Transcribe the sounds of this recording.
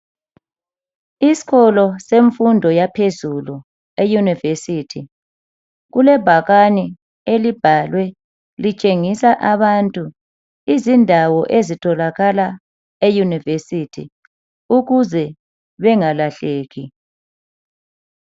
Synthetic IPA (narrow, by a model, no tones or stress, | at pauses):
isi̥ɣɔlɔseɱfundʱɔjapʰezulu | ejunivesitʰi | ɣulɛb̥ʱaɣani | elib̥ʱalwɛ | lit͡ʃʼeŋisaʔaβantʼu | izindʱawɔʔezitʰʼɔlaɣala | ejunivesitʰḭ | uɣuzɛ | βɛŋalaɬeːɣi